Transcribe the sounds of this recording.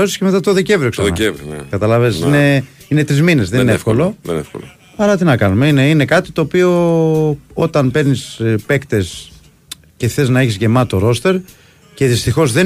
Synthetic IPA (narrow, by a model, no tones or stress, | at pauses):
osi̥sceme̞t̪ɐt̪o̞ðece̞vɾioksɐɐevɾkɐt̪ɐlɐvesine | ine̞t̪ɾizmine̞zðeninefkolo̞efko̰lo | ɐɾɐt̪inɐkɐnume̞ine̞ine̞kɐt̪i̥t̪o̞ːpio̞ | o̞t̪ɐnpe̞ɾnispe̞kt̪e̞s | ce̞θe̞znɐeçizʝe̞mɐt̪o̞ɾo̞st̪e̞ɾ | ce̞ðist̪ixo̞zðe̞